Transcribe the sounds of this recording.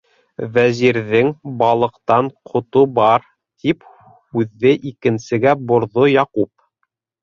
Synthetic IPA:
væziɾðɘŋbɑlˠɤ̆qt̪ɑɴqʰŏt̪ubɑɾ | t̪ʰip | hʉðːɘʔikɘ̆nsɘ̆ɡæbŏɾðojɑqup̚

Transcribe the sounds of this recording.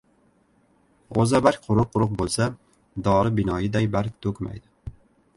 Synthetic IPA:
ozabaɾkʲqʰʊɾʊqʰːʊɾʊq̚bolˠsa | d̪ɒɾɪbɪnɒjɪd̪ajbaɾk̚ʲt̪ʰɵkʲma̰jd̪ɪ

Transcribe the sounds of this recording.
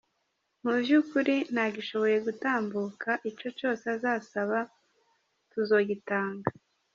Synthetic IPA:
mubjukuɾin̥aɡiʃo̞βo̞je̞ɡutaːmbukʰaʔit͡ʃo̞t͡ʃo̞ːseazaːsaβa | tuzo̞ːɡitaːŋɡa

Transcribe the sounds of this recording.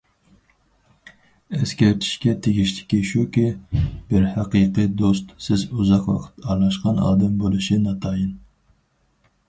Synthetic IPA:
ɛskʲɛɾt̪ʰi̥ʃkʲɛt̪ʰeɡʲiʃlɪ̥kʲiʃukʲib̥ɪɾhɑqɨqɨd̪ost̪sɪzuzɑqwɑ̰qʰə̥t̪ʰɑɾlˠɑʃqɑnɑ̰ːd̪ɨmbolˠɨʃinɑt̪ʰɑjɨn

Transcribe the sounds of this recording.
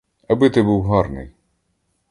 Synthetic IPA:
ɐbɪt̪ɪbuwɦɑrnɪ̰j

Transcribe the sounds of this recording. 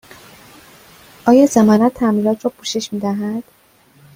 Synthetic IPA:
ʔɒːjɒːzemɒːnæt̪ʰːæmliːlɒːt̪ʰɾɒːpʰuʃe̞ʃmiːd̪æɦæd̪̥

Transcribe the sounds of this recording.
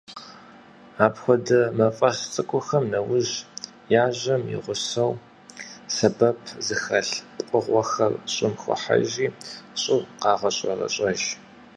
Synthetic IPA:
aːpxʷɔdɐmɐfʼɐst͡sʼɨkʷʼʊxɐmnɐwʊʑ | jaːʑɐmḭʁʷʊsɐw | sɐbɐpʰzɨxɐɬpʼqʷʼəʁʷɐxɐrɕʼɪmxʷʊ̰ħa̰ʒiːɕʼʊqɑːʁɐɕʼɐrɐ̰ɕʼɐʒ

